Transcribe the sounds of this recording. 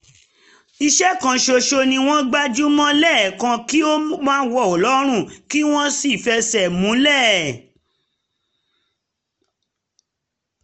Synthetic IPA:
i˧ʃɛ˦kã˧ʃo˧ʃo˧nĩ˧w̃ɔ̃˦ɡ͡ba˦d͡ʒu˦mɔ̃˦lɛ˦˨kã˧ki˦o˦mãː˦wɔ˦˨ɔ˨lɔ˦ɾ̃ũ˦˨ki˦w̃ɔ̃˦si˦˨fɛ˧sɛ˨mũ˨˦lɛ˦˨

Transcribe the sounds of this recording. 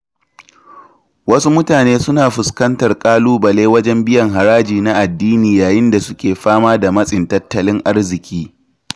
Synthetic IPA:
wɐ˦su˦mʊ˦taː˨neː˦sʊ˦naː˨ɸʊ˨skɐ˦ntɐ˨rkʼaː˦luː˦bɐ˨leː˦wɐ˦d͡ʒɛ˦mbɪ˦jɐ˨ŋɦa˨ɾaː˦d͡ʒiː˨na˦ʔa˨dːiː˦niː˨jaː˨jɪ˦nda˨sʊ˦kʲeː˨ɸaː˦maː˦da˨mɐ˦sʼɪ˨ntɐ˦tːɐ˦lɪ˦ŋʔa˦rzɪ˨kʲiː˦

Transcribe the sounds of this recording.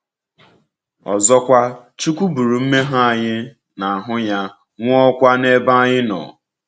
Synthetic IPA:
ɔ̰˨zɔ˦kʷa˦t͡ʃu˦kʷu˦bu˨ɾu˨m̩˦me˦ɦa˦a˨ɲɪ˦ | na˨a˨ɦʊ˦ja˦ | ŋʷ˦ɔ˦kʷa˦ne˦ba˦ɲɪ˦nɔ̰˨

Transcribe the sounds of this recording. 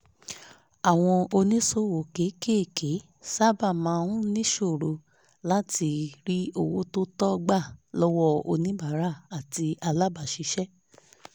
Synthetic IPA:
a˨w̃ɔ̃˧o˧nĩ˦so˦˨wo˨ke˨˦ke˦˨kʰe˨˦ | sa˦ba˦˨mãː˨˦˧ɾũ˦nĩ˦ʃo˦˨ɾo˧ | la˦ti˧ɾi˦o˧˨wo˨˦to˦tɔ˦ɡ͡ba˦˨lɔ˦wɔ˦o̰˧nĩ˦ba˨˦ɾa˦˨a˨ti˧a˧la˦ba˦˨ʃi˧ʃɛ˦

